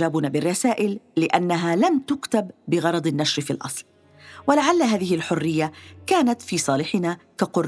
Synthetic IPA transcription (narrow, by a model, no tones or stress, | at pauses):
aːbʊnaːbɪrˤːɑsaːʔɪlːɪʔanːaɦaːlamt̪ʊkt̪abːɪɣɑɾˤɑd̪ˤɪnːaʃɾfiːlʔɑ̰sˤl | walaʕalːɦaːðɪhɪlħʊrːɪjːakaːnat̪fiːsˤɑːlɪħɪnaːkaqʊrˤ